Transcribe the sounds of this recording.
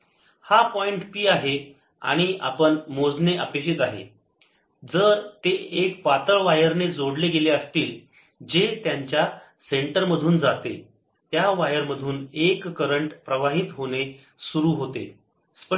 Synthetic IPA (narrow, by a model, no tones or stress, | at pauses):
hapɔiɳʈpiːaɦe | a̰ɽ̃ia̰pəɳmod͡zneʔəpekɕit̪aɦḛ | d͡zəɾt̪eekpat̪əɭʋajəɾned͡zoɽleɡeleəst̪iːl | d͡ʑet̪jaɲt͡ɕja | seɳʈəɾməd̪ʱuːnd͡zat̪ḛ | t̪jaʋajəɾməd̪ʱuːnekːəɾəɳʈpɾəʋaɦiːt̪ɦoɽ̃e | suɾuːɦot̪ḛ | sp